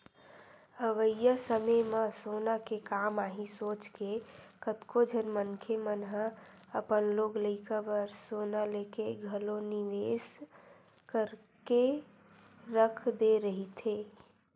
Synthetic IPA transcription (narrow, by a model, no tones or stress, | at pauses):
əɡəjəsəməməsonakekamaɦĩsot͡ʃkekət̪kod͡ʒʱənmənkʰemənɦə | əpənloɡləɪkabəɾsonalekeɡʱəloniʋes | kəɾ | ke | ɾəkʰd̪eɾəɦit̪ʰe